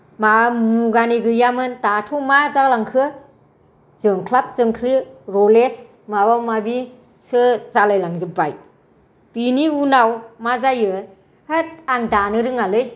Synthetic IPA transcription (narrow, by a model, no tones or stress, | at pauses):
mamuɡaniɡɯjamɯntatʰɔmazalaŋkʰɯ | zɯŋkʰlap̚zɯŋkʰɾiɾɔles | mawamabi | sɯzalajlaŋzɯbaj | b̥iniunawmazajɯ | het̚aŋdanɯɾɯŋalɯj